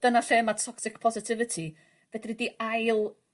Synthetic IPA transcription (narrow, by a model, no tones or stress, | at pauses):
d̥ənaɬeːmatʰɔksɪkpʰɔzɪtʰɪvɪtʰi | b̥ɛdriːdiajlˠ